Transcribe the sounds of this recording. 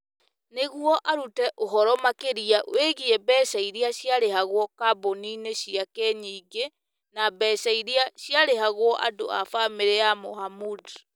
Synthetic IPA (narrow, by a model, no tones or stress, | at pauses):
neɣwɔʔaɾutɛʔoɦɔɾɔmakeɾiaʔw̰eɣiɛbɛsaiɾiaɕjaɾeɦaɣwɔkabonineɕiakɛɲiːɡe | nabɛsaiɾiaɕjaɾeɦaɣwɔʔa̰do̰a̰fameɾeamohamud